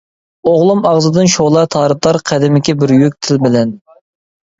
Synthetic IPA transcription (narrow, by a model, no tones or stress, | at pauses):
oʁlˠumɑʁzɨd̪ɨnʃolˠɑt̪ʰɑːɾɨt̪ˠɑɾqʰɛd̪ɪmɪkʲɛbɪɾjøk̚ʲt̪ʰɪlbɪlɛn